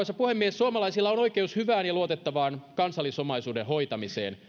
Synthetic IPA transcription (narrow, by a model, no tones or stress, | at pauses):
ɑsɑpuhemːieesuomɑlɑisilːɑonoikeushyʋæːnjɑluot̪et̪ːɑʋɑːnkɑnsɑlːisomɑisuːdenhoit̪ɑmisḛːn